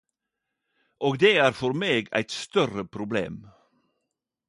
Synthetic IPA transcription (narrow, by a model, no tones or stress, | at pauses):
ʔoːɡd̪eːæːɾfɔɾmeːɡæ̰ɪt̪st̪œɾəpʰɾʊblḛːm